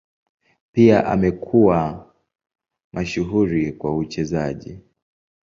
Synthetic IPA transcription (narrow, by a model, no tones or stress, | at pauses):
piaʔa̰mɛkʰuwa | mʔaʃuɦuɾikwaut͡ʃɛzaʄḭ